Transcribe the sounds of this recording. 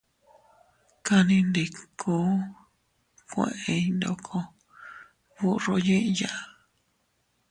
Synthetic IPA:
ka˧nĩ˧nd̪e˧˨kʰo˦ | kʷḛ̃˧˨ʔẽ˧i˧nd̪o̰˧kʰo˧ | βu˦ro˧˦ɲĩ˦ʔja˦˧

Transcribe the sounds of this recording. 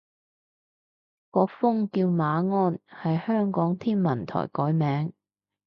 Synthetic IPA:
kɔː˧k̚fʊ˥ŋkiː˧wmaː˨˧ŋɔː˥nhɐ˨jhœː˥ŋkɔː˨˥ŋt̪ʰiː˥nmɐ˨˩nt̪ʰɔ̰ː˨˩jkɔː˨˥jmɛː˨˥ŋ

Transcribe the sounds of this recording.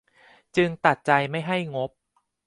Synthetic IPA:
t͡ɕɯ˧ŋt̪a˨˩t̪̚t͡ɕa˧jma˥˩jɦa˥˩jŋo˦˥p̚

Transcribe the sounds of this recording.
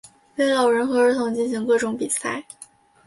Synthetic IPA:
we˧˥ɪlɑ˨˩ʊɻə˧˥nxɤ˧˥ə˧˥t̪ʰʊ˧˥ŋt͡ɕi˥˩nɕi˧˥ŋkɤ˥˩ʈ͡ʂʊ˨˧˥ŋpi˨˩sa̰˥˩ɪ

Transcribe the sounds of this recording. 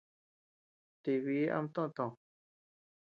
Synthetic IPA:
t̪i˧βi˨˧˦a̰˧m˧t̪õ˦ʔt̪õ˨

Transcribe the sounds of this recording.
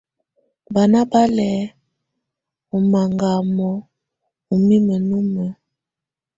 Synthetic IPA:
ba˨na˦ba˦lɛ˨˦ | o˨ma˨ŋɡa˨mɔ˨˦ | u˨mi˦mə˨nu˦mə˨

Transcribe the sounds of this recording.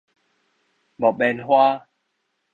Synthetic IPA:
bɔ˨ɓɛ˧nhwa˦

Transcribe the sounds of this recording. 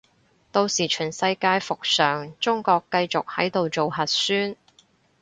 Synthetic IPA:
t̪o˧wsiː˨˩t͡ʃʰyː˨˩nsɐ˧jkaː˧jfʊ˨k̚sœː˨˩ŋt͡ʃʊ˥ŋkɔː˧kːɐ˧jt͡sʊ˨k̚hɐ˨˥jt̪o˨wt͡so˨whɐ˨t̚syː˥n

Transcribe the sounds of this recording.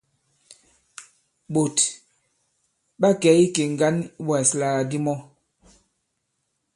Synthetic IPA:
ɓo˨t | ɓa˦kɛ˨˦i˦ke˨ŋ̩˨ɡa˦n˦bwa˨sla˨a˨di˦mɔ˦

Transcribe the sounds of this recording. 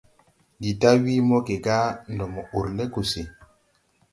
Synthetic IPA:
di˨ta˦wi˦mɔ˦ke˨ɡa˦ndɔ˨mɔ˨u˨ɾle˦ko˨se˨

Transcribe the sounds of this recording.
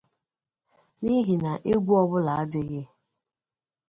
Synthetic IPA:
ni˦ɦi˨na˨ʔe˦ɡʷu˦ɔ˦bʊ˦la˨a˦dɪ˦ɣɪ˦

